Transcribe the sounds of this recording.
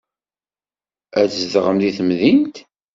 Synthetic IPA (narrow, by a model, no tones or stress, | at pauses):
æθzðʁəmðiθəmðint̪